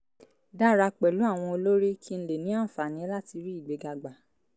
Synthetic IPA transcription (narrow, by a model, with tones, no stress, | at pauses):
da˦ɾa˧k͡pɛ˨lu˨˦a˦˨w̃ɔ̃˧o˧lo˦ɾi˦kʰi˦ñ̩˦le˨nĩ˨˦ã˦˨fa˨nĩ˨˦la˦ti˧ɾi˦i˦˨ɡ͡be˨˦ɡa˧ɡ͡ba˨